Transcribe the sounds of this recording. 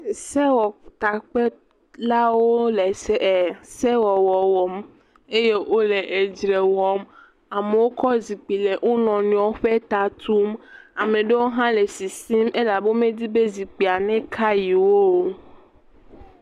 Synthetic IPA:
sɛ˦wɔ˨t̪a˨k͡pe˦ | la˦wo˦le˨sɛ˦ɛ˨sɛ˦wɔ˨wɔ˨wɔ˨m | e˦je˦ʔo˦le˨ʔe˨d͡ʒɾe˨wɔ˨m | a˨me˨wo˦kɔ˦zi˨k͡pi˨le˨ʔo˦nɔ̃˨nũ˦ɔ˦ɸe˦t̪a˨t̪u˦ma˨mẽ˨ɖe˦wo˦ɦã˦le˨si˨si˦me˦la˨be˦mẽ˦d̪i˦be˦zi˨k͡pi˨a˨nɛ̃˦kʰa˦ji˨wo˦˨

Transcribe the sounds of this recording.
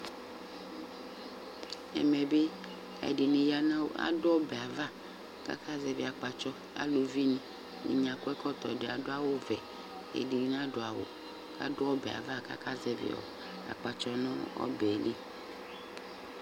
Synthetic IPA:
ɛ̰˨mɛ˨be˦ | a̰˨di˨ne˨ja˦nã˦wa̰˦dʊ˦ɔ˦bɛ˨a˨va˦ | ka̰˦kʰa˦zɛ˦vi˨a˨k͡pa˨t͡ʃɔ˦ | a̰˨lo˨vi˦nĩ˦ | nḭ˨ɲã˨kɔ˦ɛ˦kɔ˦t̪ɔ˨ɖe˨a˨do˦a˦wo˦vɛ˨ | ḛ˨di˨˦n˦ã˦ɖo˨a˨wo̰˨ | ka̰˦dʊ˦ɔ˦bɛ˨a̰˨va˦ka̰˦ka˦zɛ˦vḛ˨ɔ̰˨ | a̰˨k͡pa˨t͡ʃɔ˦nɔ̃˦ɔ̰˦be˨le˦

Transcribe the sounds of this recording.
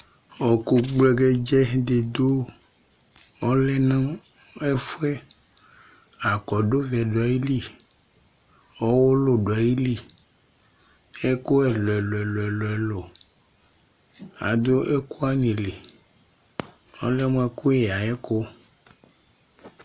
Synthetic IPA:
ɔ˨ko˨ɡ͡ble˨ɡe˦d͡ʒɛ˦d̪e˨d̪o˦ | o˦lɛ˦nã˦ | e˦fu˦ɛ˦ | a˨kɔ˨ɖo˦vɛ˨ɖo˨a˨ji˦li˦ | ɔ˦wo˦lo˨ɖo˨a˨ji˦li˦ | e˦ko˦ɛ˨lo˨ɛ˨lo˨ɛ˨lo˨ɛ˨lo˨ɛ˨lo˨ | a̰˨d̪o˦e˦ku˦a˦nĩ˨le˨ | o̰˦le˦m̃˦e˨ku˦e˨a˨ɛ˦ko˦

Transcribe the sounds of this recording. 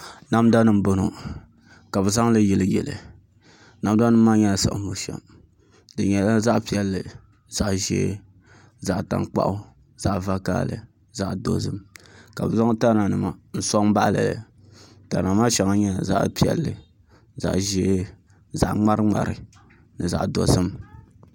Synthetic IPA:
na˦mda˦nɨ˦m̩˦bo˦nu˨ | ka˨bɨ˨za˦ŋ˦lɨ˦jɛ˨lɨ˦jɛ˨lɨ˨ | na˨m˦da˦nɨ˦mː˦aː˦ɲɛ˦la˨sa̰˨ʔmo˨ʃɛ̰˨m | dɨ˨ɲɛ˨la˦za˦ʔpi˦ɛ˦lːɨ˨ | z̥a˨ʔʒḛː˦ | za˨ʔta̰˨ŋk͡pa̰˦ʔʊ˦ | z̥a˨ʔva˦ka̰ː˦lɨ̰˨ | za˨ʔdo̰˨zɨ˦mka˨bɨ˨za˦ŋ˦ta˦na˨nɨ˨ma˨n̩˦sɔ˦ŋ˦ba˦ʔlɛ̰˨lɨ˨ | ta̰˨na˨maː˦ʃɛ˦ŋa˦ɲɛ˦˨za̰˦ʔpi˦˨ɛ̰˨lːɨ˨ | za̰˨ʔʒeː˦ | za˨ʔŋ͡ma˦ɾɨ˦ŋ͡ma̰˨ɾɨ˨ | nɨ˨za̰˨ʔdo̰˨zɨ˦m

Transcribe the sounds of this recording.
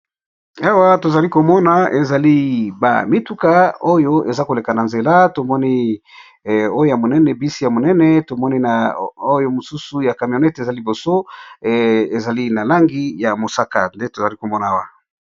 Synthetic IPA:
a˦wa˦to˨za˨li˦ko˨mɔ˦na˨ʔe˨za˨li˦ba̰˨mi˦tu˦ka˦o˦jo˦e˨za˦ko˨le˨ka˨na˨nze˨la˦to˨mɔ˦ni˦˨ | o˦jo˦ja˨mo˨nɛ˦nɛ˨bi˦si˦ja˨mo˨nɛ˦nɛ˦to˨mɔ˦ni˦na˨o˦jo˦mo˨su˦su˨ja˨ka˨mjo˨nɛ˦te˨za˦li˨bo˨so˦ | e˨za˨li˦na˨la˦ŋɡi˦ja˨mo˨sa˦ka̰˨nde˦to˨za˨li˦ko˨mɔ˦na˨a˦wa˨

